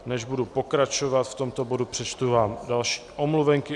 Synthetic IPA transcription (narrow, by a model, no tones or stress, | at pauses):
nɛʒbudupo̞kɾat͡ʃovat̪ft̪o̞mt̪o̞bodupr̥ɛt͡ʃt̪uvaːmdalʃi̥ːʔomluvɛŋkɪ